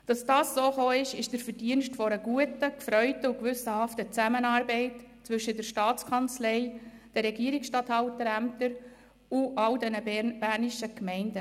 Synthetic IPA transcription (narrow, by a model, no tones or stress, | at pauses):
d̥ɑsd̥ɑːssoːχoːɪʃɪʃd̥əɾfəɾd̥iənʃtfɔɾəɡ̥uətəkfɾœʏtəʊkʋʏsəhɑftət͡sæmənɑːɾbɛɪtt͡sʋʏʃədəɾʃtɑːt͡skʰɑnt͡slɛɪd̥ɛɾːɛɡiəɾiksʃtɑthɑltəɾæmtəɾ | ʊʔɑldɛnəb̥æːɾniʃəkmɛɪndə